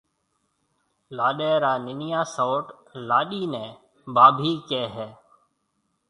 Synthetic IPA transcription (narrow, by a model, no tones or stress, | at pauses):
laːɗɛːɾaːnɪnɪjaːsoːʈ | laːɗiːnɛ̃ː | baːbʱiːkeːɦɛː